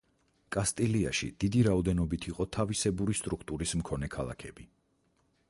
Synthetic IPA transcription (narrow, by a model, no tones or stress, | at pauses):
kʼast̪ʼilia̰ʃḭd̪̥id̪iɾaɔd̪ɛnɔbit̪ʰiqʼɔt̪ʰavisɛbuɾist̪ʼɾukʰt̪ʼuɾism̩kʰɔnɛkʰalˠa̰kʰɛbi